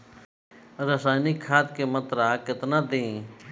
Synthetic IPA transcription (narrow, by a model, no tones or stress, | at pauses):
ɾəsaːnikʰːaːt̪̚kemət̪ɾaːkɪt̪nad̪ẽ